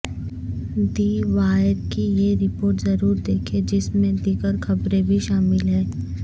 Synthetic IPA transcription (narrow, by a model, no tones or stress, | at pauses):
d̪iːʋaːəɾkijeɾɪpoːɾʈzɐɾuːɾd̪eːkʰed͡ʒɪsmẽd̪iːɡəɾxɐbɾẽbʱiʃaːmɪlɦɛ̃ː